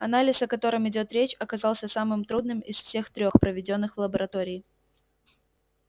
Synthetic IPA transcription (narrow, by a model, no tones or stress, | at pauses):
ɐnalʲɪsɐkɐt̪o̞ɾɨmɪdʲo̞t̪ɾʲet͡ɕɐkɐzɑlˠsʲəsamɨmt̪ɾud̪nɨmɪsfsʲe̞xt̪ɾʲo̞xpɾəvʲɪdʲo̞n̪ːɨxvlˠəbəɾɐt̪o̞ɾʲɪː